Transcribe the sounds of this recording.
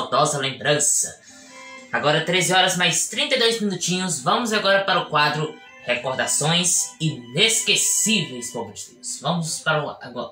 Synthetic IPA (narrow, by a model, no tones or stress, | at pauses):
d̪ɔzɐlẽmbɾɐ̃sɐ | aɡɔɾɐt̪ɾezɪɔɾɐzmajst̪ɾĩnt̪ɐjd̪ojzmĩnut͡ʃĩɲʊzvɐ̃mʊzaɡɔɾɐpaɾɐʊkwad̪ɾʊ | hekoɾd̪asõj̃sineskesivejskõbut͡ʃid̪usvɐ̃mʊspaɾɐa̰ɡɔ